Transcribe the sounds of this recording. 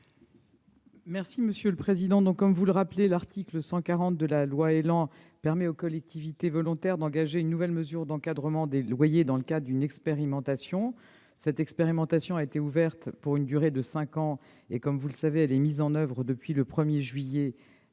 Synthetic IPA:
mɛʁsiməsjøləpχezid̪ɑ̃d̪ɔ̃kːɔmvuləʁaplelaʁt̪ikləsɑ̃kaʁɑ̃t̪̚d̪əlalwaelɑ̃ | pɛʁmɛokɔlɛk̚t̪ivit̪evɔlɔ̃t̪ɛʁd̪ɑ̃ɡaʒeynːuvɛlməzyʁd̪ɑ̃kad̪ʁəmɑ̃d̪elwajed̪ɑ̃ləkad̪ʁəd̪ynɛkspeʁimɑ̃t̪asjɔ̃ | sɛt̪ɛkspeʁimɑ̃t̪asjɔ̃aet̪euvɛʁt̪puʁynd̪yʁed̪əsɛ̃kɑ̃ | ekɔmvuləsaveɛlɛmizɑ̃nœvʁəd̪əpɥiləpχəmjeʒɥijɛ

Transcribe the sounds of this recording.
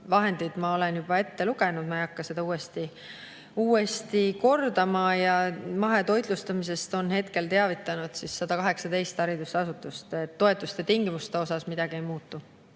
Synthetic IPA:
vɑɦe̞nd̪̥id̪̥mɑo̞le̞njub̥ɑe̞t̪ːe̞luɡ̥e̞nud̪̥mɑejɑkːɑse̞d̪ɑuːe̞st̪i | uːe̞st̪iko̞rd̪ɑmɑjɑmɑɦe̞t̪o̞jd̪̥lust̪ɑmis̬e̞st̪o̞nhe̞t̪ke̞lt̪e̞ɑvit̪ːˑɑnud̪̥sisːɑd̪ɑkɑɦe̞ksɑd̪e̞jst̪ɑɾid̪ust̪ɑsut̪ːˑust̪et̪ːo̞e̞t̪ːˑust̪et̪iŋɡimust̪e̞o̞sɑsmid̪̥ɑɡ̥ie̞jmuːt̪ːˑu

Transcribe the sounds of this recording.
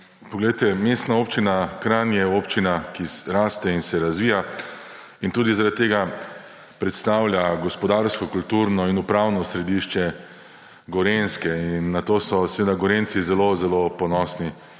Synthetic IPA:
pɔɡlɛjt̪ɛmeːst̪naoːpt͡ʃinakɾanjɛoːpt͡ʃinakiɾaːst̪ɛinsɛɾazʋiːja | int̪uːd̪izaɾat̪̚ːeːɡa | pɾɛt̪st̪aːwlʲjaɡɔspɔd̪aːɾskɔkult̪uːɾnɔinupɾaːwnɔsɾɛd̪iʃt͡ʃɛ | ɡɔɾenskɛinːat̪oːsɔsɛʋeːd̪aɡɔɾensizɛlozɛlopɔnɔsni

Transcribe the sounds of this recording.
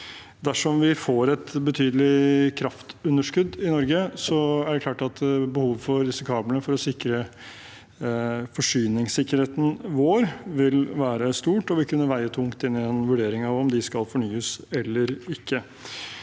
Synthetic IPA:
d̪æʂɔmʋɪfoːɾɛt̪bət̪ʰyːd̪əlɪkʰɾɑft̪ʉnːəʂkʉd̪ɪnɔɾɡəsɔæɖɛkʰlɑːʈɑt̪bəhuːʋfɔɾɾɪsɪkʰɑːblənəfɔɾɔsɪkɾə | fɔʂyːnɪŋsɪkːəɾheːt̪n̩ʋoːɾʋɪlʋæːɾəst̪uːʈɔʋɪkʉnːəʋæɪət̪ʰʊŋkt̪ɪnːɪɛnʋʉɖeːɾɪŋɑʋɔmd̪ɪskɑlfɔɳyːəsɛlːəɾɪkʰːə

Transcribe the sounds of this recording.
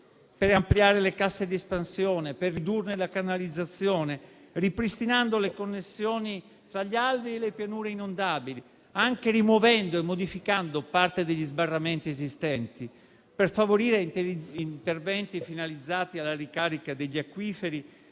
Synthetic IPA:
peɾampliaːɾelekasːed̪iespansjɔːneperːid̪urnelakarnalid̪zːat̪sːjɔːne | ripɾist̪inand̪olekonːesːjɔːni | t̪ɾaʎːiald̪ielepjanuːɾeinond̪aːbili | aŋkerimovɛnd̪oemːod̪ifikand̪opart̪ed̪eʎːizbarːament̪iezist̪ɛnt̪i | perfavoɾiːɾeint̪ervɛnt̪ifinalid̪zːaːt̪ialːarikaːɾikad̪eʎːiakːwiːfeɾi

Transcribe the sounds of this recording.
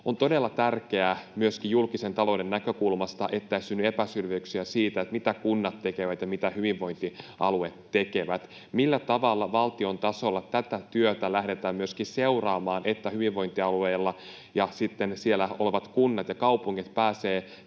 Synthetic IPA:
ont̪o̞delːɑt̪ærke̞æmyøskijjulkisent̪ɑlo̞udenːækøkulmɑst̪ɑʔet̪ːæisynːye̞pæsylʋøyksiæsiːt̪æet̪mit̪ækunːɑt̪ːekeʋæt̪jɑmit̪æhyʋiʋʋo̞ijnt̪iɑ̰luet̪ːekeʋæt̪ | milːæt̪ɑʋɑlːɑʋɑlt̪io̞nt̪ɑso̞lːɑt̪æt̪æt̪yøt̪ælæhde̞t̪æːmmyøskiseurɑːmɑːnʔet̪ːæhyʋiʋʋo̞jnt̪iɑlueːlːɑ | jɑsit̪ːensielæoleʋɑt̪kunːɑt̪jɑkɑupuŋːit̪pæːseː

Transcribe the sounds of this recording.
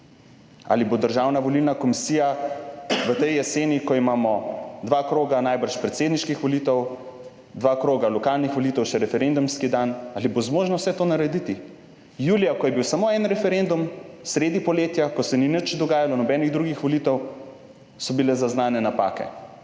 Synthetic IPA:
a̰libod̪əɾʒawnaʋolilnakɔmisiːja | ʋət̪ɛjjɛseːnikɔimaːmɔd̪ʋakɾoːɡanajbəɾʃpɾɛt̪seːd̪niʃkixʋɔlit̪ɛw | d̪ʋakɾoːɡalɔkaːlnixʋolit̪ɛwʃɛɾɛfɛɾend̪umskid̪analibozmoːʒnɔwsɛt̪oːnaɾɛd̪it̪i | juːlijakɔjɛbiwsamoːɛnɾɛfɛɾend̪umsɾeːd̪ipɔleːt̪jakɔsɛninət͡ʃd̪ɔɡaːjalɔnɔbɛniɣd̪ɾuɡixʋolit̪ɛw | sɔbilɛzaznaːnɛnapa̰kɛ̰

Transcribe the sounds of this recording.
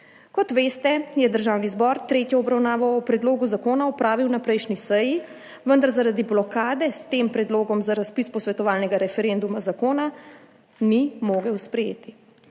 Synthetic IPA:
kɔt̪ʋeːst̪ɛjɛd̪əɾʒawnizbɔɾt̪ɾeːt̪jɔɔbɾawnaːʋɔɔpɾɛd̪loːɡuzakoːnaɔpɾaːʋiwnapɾɛjʃnisɛji | ʋənd̪aɾzaɾad̪iblɔkaːd̪ɛst̪eːmpɾɛd̪loːɡɔmzaɾaspispɔsʋɛt̪ɔʋaːlnɛɡaɾɛfɛɾɛnd̪umazakoːna | nimoːɡəwspɾɛjḛːt̪i

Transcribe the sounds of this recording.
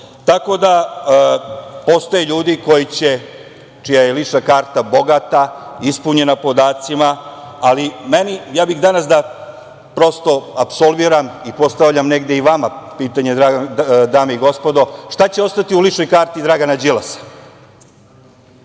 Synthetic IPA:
t̪ako̞d̪a | po̞st̪ojeʎuːd̪iko̞jit͡ɕe̞ | t͡ʃijajeliʂnakaːɾt̪abo̞ɡat̪aispuɲe̞napo̞d̪aːt̪simaːlimenijaːbixd̪anasd̪a | pɾo̞st̪o̞apso̞lˠbiɾamipo̞st̪aʋʎamne̞ɡd̪eiʋamapiːt̪aɲe̞d̪ɾad̪aːmeiɡo̞spo̞d̪o̞ʂt̪at͡ɕe̞o̞st̪at̪iuliʃno̞jkaːɾt̪id̪ɾaɡanad͡ʑilasḁ

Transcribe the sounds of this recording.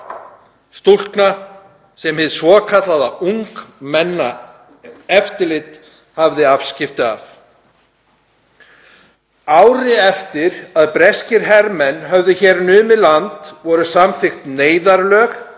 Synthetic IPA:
st̪ul̥kna | sɛmhɪðsvɔːkʰat̪laðauŋkmɛnːa | ɛft̪ɪlɪt̪ | havðɪafscɪft̪ɪa̰f | aːwɾɪɛft̪ɪɾaðpɾɛscɪɾɦɛɾmɛnːɦœvðʏçɛːɾnʏːmɪlant̪vɔɾʏsamθɪxt̪neːjðaɾlœːx

